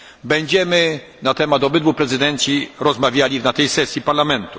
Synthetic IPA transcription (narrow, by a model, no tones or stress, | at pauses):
bɛɲd͡ʑɛmɘ | nat̪ɛmad̪ɔbɘd̪vupɾɛzɘd̪ɛnt̪sʲjiɾɔzmavʲjalʲinat̪ɛjsɛsʲjipaɾlamɛnt̪u